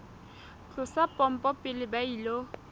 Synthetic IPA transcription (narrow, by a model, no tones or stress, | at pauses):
t͡ɬʊsapʼɔm̩pʼɔpʼɪlɪbailo